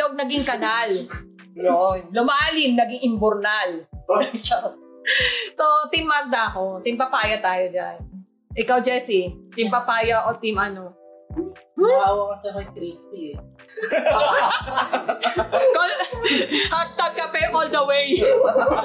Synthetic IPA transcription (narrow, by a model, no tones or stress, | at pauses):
loʔoɡ̚nɐɡiŋkɐnal | jonlʊmaːlɪmnɐɡiŋʔɪmbʊɾnal | t̪ot̪ɪmaɡ̚d̪ɐɐkot̪ɪmpɐpaːjɐt̪aːjod͡ʒa̰n | ʔɪkawd͡ʒɛsit̪ɪmpɐpaːjɐʔot̪imɐno | mawɐmɐsɐnojk̪ɾist̪i | kol | hɐɡ̚t̪ɐɡ̚kɐpɛʔold̪ɐwej